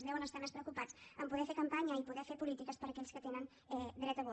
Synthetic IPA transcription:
zðɛwənəst̪amespɾəwkupad͡zəmpuðɛfeɾkəmpaɲəipuðɛfeɾpulit̪ikəspəɾəkɛʎskət̪enən | ɛd̪ɾɛt̪əɣu

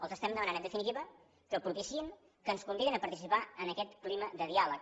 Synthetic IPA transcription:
ə̰lˠzəst̪ɛmd̪əmənanəd̪əfinit̪iβə | kəpuɾt̪isin | kənskumbiðinəpəɾt̪is̬ipaənəkɛt̪kliməd̪əðialək

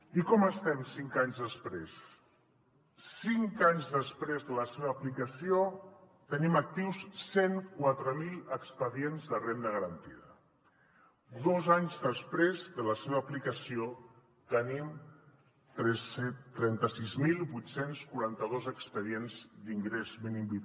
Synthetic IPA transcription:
ikɔməst̪ɛmsiŋkaɲzðəspɾes | iŋkaɲzðəspɾezðələseβəːplikəsio | t̪ənimək̚t̪iwsseŋkwat̪ɾəmilˠəkspəðienzðəremnəɣəɾənt̪iðə | d̪ozaɲzðəspɾezðələseβəːplikəsio | t̪ənim | t̪ɾɛnt̪əsizmilˠbujt̪senskuɾant̪əðozəkspəðienzd̪iŋɡɾezminimbi

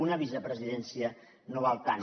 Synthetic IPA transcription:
unəβizəpɾəziðɛnsiə | noβalˠt̪an

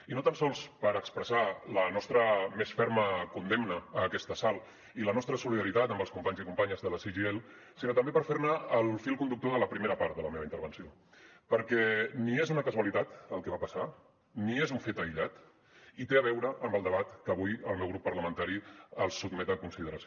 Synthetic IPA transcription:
inot̪ansɔlˠspəɾəkspɾəsalənɔst̪ɾəmesfɛɾməkund̪emnəːkɛst̪əsalˠ | ilənɔst̪ɾəsuliðəɾit̪at̪əmbəlˠskumpaɲzikumpaɲəzðələsiʒiel | sinot̪əmbepəɾfeɾnəːlˠfilˠkund̪uk̚t̪oðələpɾimeɾəpaɾt̪̚ðələmeβəint̪əɾβənsio | pəɾkɛniezunəkəzuəlit̪at̪əlˠkɛβapəsa | niezuɱfet̪əiʎat̪ | it̪eəβɛwɾəʔːmbəlˠd̪əβat̪kəβujə̰lˠmɛwɣɾupːərləmə̃nt̪aɾiəlˠsːud̪mɛt̪əkunsiðəɾəs

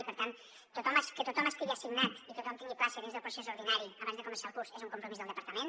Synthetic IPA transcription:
ipəɾt̪an | t̪ut̪ɔmaskət̪ut̪ɔməst̪iɣiaəsiɡnat̪it̪ut̪ɔmt̪iŋɡiplasəðinzðəlˠpɾusezuɾðinaɾiəβanzðəkumənsaəlˠkuɾzezuŋkumpɾumizðəlˠd̪əpəɾt̪əmen

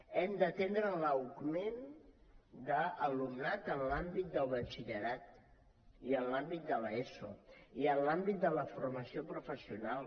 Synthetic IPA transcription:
ɛmd̪ət̪end̪ɾələwɡmen | d̪əːlumnat̪ənlambit̪̚d̪əlˠβət͡ʃiʎəɾat̪ | iənlambit̪̚d̪ələeso̰iənlambit̪̚d̪ələfurməsiopɾufəsiunalˠ

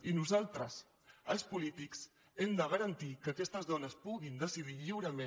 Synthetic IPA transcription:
inuzalˠt̪ɾəs | əlˠspulit̪iks | ɛmd̪əɣəɾənt̪ikəkɛst̪əzðɔnəspuɣind̪əsiðiʎiwɾəme

